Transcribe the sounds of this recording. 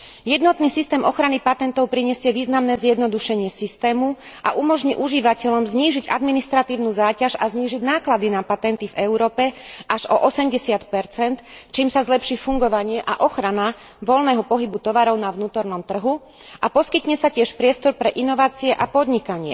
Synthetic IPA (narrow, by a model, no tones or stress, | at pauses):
jɛd̪nɔt̪niːsist̪ɛːmʔɔxɾanipat̪ɛnt̪ɔʊpɾiɲɛsɪɛʋiːznamnɛːzjɛd̪nɔd̪uʃɛɲɪɛsist̪ɛːmu | ʔa̰ʔumɔʒɲiʔuʒiʋacɛʎɔmzɲiːʒiɟʔa̰d̪minist̪ɾat̪iːʊnuzaːcaʃazɲiːʒiɟnaːklad̪inapat̪ɛnt̪ivɛʊɾɔːpɛʔaʒɔʔɔsɛmɟɛsɪat̪pɛɾt͡sɛnt̪t͡ʃiːmsazlɛpʃiːfuŋɡɔʋaɲɪɛʔa̰ʔɔxɾana | ʋɔlnɛːɦɔpɔɦibut̪ɔʋaɾɔʊnaʋnuːt̪ɔɾnɔmt̪r̩ɦu | ʔapɔskit̪ɲɛsacɪɛʃpɾɪɛst̪ɔɾpɾɛʔinɔʋaːt͡siɛʔapɔd̪ɲikaɲɪɛ̰